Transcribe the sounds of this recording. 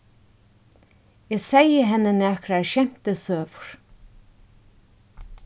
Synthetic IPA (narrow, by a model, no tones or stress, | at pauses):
jɛːsɛjəɦɛnːənæːkɾaɛɹʃɛm̥t̪əsøːvʊɹ̥